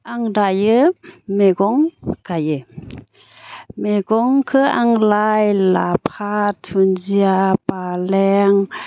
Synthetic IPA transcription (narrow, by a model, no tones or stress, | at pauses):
ʔaŋdajɯmeɡɔŋkajɯ | meɡɔŋkʰɯaŋlajlapʰatʰunziapalɛŋ